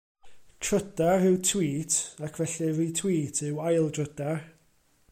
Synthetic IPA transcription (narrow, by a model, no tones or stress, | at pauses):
tʰrədarɪwtʰwiːtʰakʰvɛɬɨriːtʰw̥iːtʰɪwajlˠdrədar